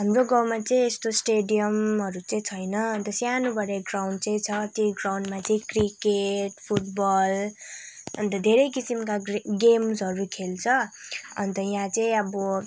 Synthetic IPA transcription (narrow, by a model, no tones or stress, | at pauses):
ɦamroɡawmat͡sʌ̃ĩest̪osʈeɖijʌmɦʌɾut͡sʌĩt͡sʰʌjnʌʌnt̪ʌsjanubʱʌɾeɡrawɳɖt͡sʌĩt͡sʰʌt̪jʌjɡrawɳɖmat͡sʌĩkrikeʈpʰuʈ̚bʌl | ʌnt̪ʌd̪ʱeɾʌjkisimkaɡemsɦʌɾukʰelt͡sʰʌʌ̰nt̪ʌjãt͡sʌĩʌbʌ